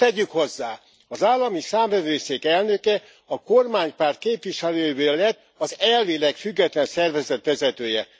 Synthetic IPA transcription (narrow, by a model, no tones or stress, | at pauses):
t̪ɛɟːykho̞zːaː | ɒzaːlːɒmisaːmvɛvøːseːkɛlnø̞kɛ | ɒkormaːɲpaːrt̪̚keːpʋiʃɛløːjvøːlɛt̪ː | ɒzɛlveːlɛkfyɡːɛt̪lɛnsɛrvɛzɛt̪ʋɛzɛt̪øːjɛ